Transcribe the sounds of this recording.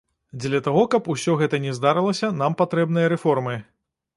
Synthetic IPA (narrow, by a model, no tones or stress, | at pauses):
d͡zʲlʲɐt̪aɣɔkɐpusʲɔɣɛt̪ɐnʲɛzd̪aɾɨlˠɐsʲɐnampat̪ɾɛbnɨjɐɾɛfɔrmɨ